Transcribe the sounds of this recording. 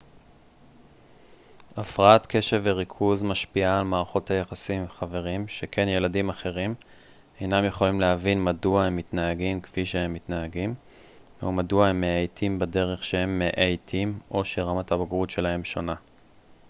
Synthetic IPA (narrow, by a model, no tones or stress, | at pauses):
afʁaatkʰe̞ʃeveʁikʰuzmaʃpiaːlmaːʁaχo̞thajaχasimχave̞ʁ̞imʃe̞kʰe̞nje̞ladimaχe̞ʁim | e̞jnamjeχo̞limlehavinmaduahe̞mːitnaaɡimkviʃehe̞mːitnaaɡim | o̰maduahemːeajtʰimbade̞ʁe̞χʃehe̞mːeʔejtʰimʔo̞ʃeʁamathabaɡʁutʃe̞laɦe̞mʃo̞na